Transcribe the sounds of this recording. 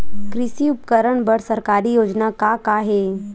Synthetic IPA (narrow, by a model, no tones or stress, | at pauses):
kɾɪʃiʊpkəɾəɳbəɽsɐɾkaːɾijoːd͡ʒnakakaɦeː